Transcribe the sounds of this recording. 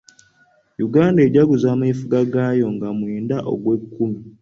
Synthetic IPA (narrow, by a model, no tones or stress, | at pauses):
juɡaːndeɟaɡuzamaifuɡaɡaːjo̞ŋɡamweːndaʔo̰ɡwe̞kːumi